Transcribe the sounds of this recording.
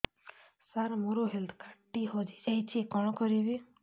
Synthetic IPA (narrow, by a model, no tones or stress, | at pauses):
saɾmoɾoɦeld̪kʰaʈːiɦod͡ʒid͡ʒajt͡ʃʰikɔɽ̃ɔkɔɾibi